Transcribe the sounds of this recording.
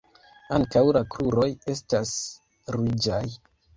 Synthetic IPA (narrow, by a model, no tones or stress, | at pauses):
aŋkawlakɾuɾo̞je̞stas | ɾid͡ʒaj